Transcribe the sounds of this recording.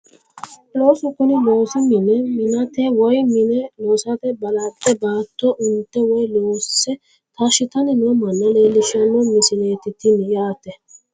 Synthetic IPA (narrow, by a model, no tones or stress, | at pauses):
lo̞ːsʊkʊnɪboːsʊmɪnɛmɪnɐt̪ɛwɔjmɪnɛloːsɐt̪ɛbɐlad̪ːɛbaːt̪ːɔʔʊnt̪ːɛwɔjloːsːɛ | t̪aʃɪt̪ɐnɪnʊmɐnːɐleːlɪʃɐnɔmɪsɪneːt̪ɪt̪ɪnjaːt̪ɛ